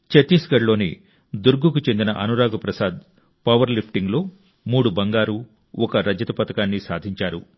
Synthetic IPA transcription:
t͡ʃɐt̪iːsɡɐɾlo̞ːnḭ | d̪uɾɡukut͡ʃe̞nd̪inɐʔɐnuɾaːɡɐpɾɐsaːd̪ | pɐʋɐɾlipʰʈiŋɡloː | muːɽubɐŋɡaːɾu | ɔkɐɾɐd͡ʒɐt̪ɐpɐt̪ɐkaːnːisaːd̪ʱiɲt͡ʃaːɾu

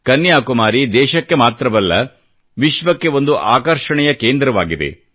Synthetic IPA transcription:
kɐnːjaːkumaːɾid̪ɛːʃɐkːe̞maːt̪ɾɐbɐlːɐ | ʋiʃʋɐkːe̞ʋo̞nd̪uʔaːkɐɾʂɐɳɛjɐkeːnd̪ɾɐʋaːɡid̪ḛ

